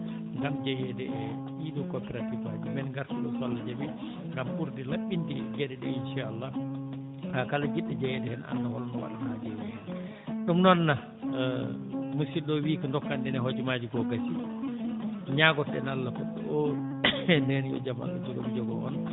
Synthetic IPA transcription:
ŋɡamd͡ʒɛjɛdɛɛ | idɔkɔpɛɾatifa̰d͡ʒɛmɛnɡaɾsiɗɔsɔlːad͡ʒami | ɡampuɾdilaɓːintiɡɛdɛɗɛ̰inʃaalːa | hakalad͡ʒiɗːad͡ʒɛjɛdɛhɛna̰nːawɔ̰lnɔwa̰ɗanad͡ʒɛjɛhɛn | ɗumnɔnːa | musiɗɔwiːkandɔkːandɛnɛɦod͡ʒumad͡ʒikɔkasḭ | ɲaɡɔtɛnalːakɔɓɛ̰ʔɔ | ɛndɛnjɔ̰d͡ʒama̰lɔ̰d͡ʒɔɡɔmd͡ʒɔɡɔʔɔ̰n

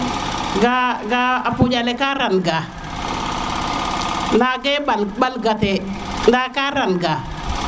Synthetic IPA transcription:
ɡaɡaapud͡ʒalɛkaɾanɡa | ndaɡeɓalɓalɡatɛndakaɾanɡa

